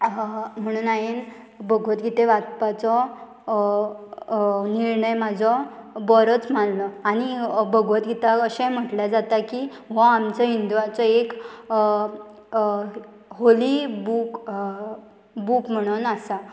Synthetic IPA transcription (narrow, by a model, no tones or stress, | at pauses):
m̤əɽ̃uːnajen | bəɡʱʋət̪ɡʱit̪ẽʋat̪̚pat͡sɔ | niɾɳəjmad͡zʱɔbɔɾət͡smanlɔañibəɡʱʋət̪ɡʱit̪aəɕam̤əʈljad͡zat̪aki | ʋɔ̃amt͡sɔɦind̪uʋat͡sɔek | ɦolibuk | bukm̤əɽ̃onasa